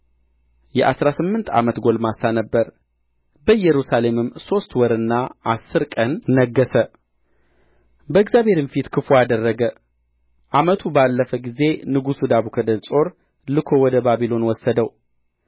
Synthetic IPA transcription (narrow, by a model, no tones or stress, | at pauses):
jɛʔa̰sɾasɨmːɨnt̪ʰa̰mət̪ɡo̞lmasanəbːəɾ | bəjɛɾusale̞mɨmːso̞st̪wɔɾɨnːaʔasːɨɾkʼənːəɡːəsə | bəɨɡzʲjaβhe̞ɾɨnfit̪kʰɨfoad̪ərːəɡə | ʔamət̪ʰubalːəfəɡize̞nɨɡusud̪aβukʰəd̪ənsʼo̞ɾ | lɨkʰowɔd̪əbaβilo̞nwɔsːəd̪əw